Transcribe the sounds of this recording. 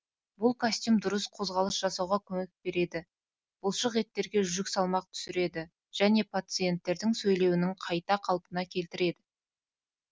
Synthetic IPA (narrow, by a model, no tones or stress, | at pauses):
bʊlˠkʰasʲt̪ʲjumd̪ʊɾəsqʰo̞zʁɑlˠəsʒɑsɑwʁɑkʲʰɵme̞k̚be̞ɾe̞d̪ɪ | b̥ʊlˠʃəqe̞t̪ːe̞ɾɡʲe̞ʒʏʒʏksɑlˠmɑq̚t̪ʰʏ̥sɪɾe̞d̪ɪ | ʒ̥æne̞pʰat̪sɨje̞nt̪ːe̞ɾd̪ɪŋsɵjle̞wɪnɪŋqʰɑjt̪ɑqʰɑlˠpənɑkʲʰe̞lt̪ɪɾe̞d̪ɪ